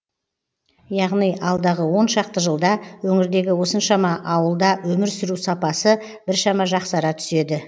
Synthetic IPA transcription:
jɑʁnijʔɑlˠd̪ɑʁəwo̞nʃɑq̚t̪əʒəlˠd̪ɑwɵŋɪɾd̪e̞ɡʲɪwo̞sənʃɑmɑʔɑwəlˠd̪ɑwɵmɪɾsʏɾusɑpɑsə | b̥ɪɾʃɑmɑʒɑqsɑɾɑt̪ʰʏ̥se̞d̪ɪ

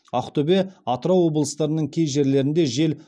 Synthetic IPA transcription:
ɑqt̪ʰɵbe̞ɑt̪əɾɑwːo̞blˠəst̪ɑɾənəɴkʲʰe̞jʒe̞ɾle̞ɾɪnd̪e̞ʒe̞l

